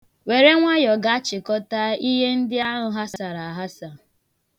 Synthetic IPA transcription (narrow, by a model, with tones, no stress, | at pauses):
we˨ɾe˦ŋʷa˦jɔ˨ɡa˨a˦t͡ʃɪ˨kɔ˦ta˦i˦ɦe˦n̩˦dɪ˦a˦ɦʊ˨ɦa˦sa˦a˨ɾa˨ɦa˦sa˨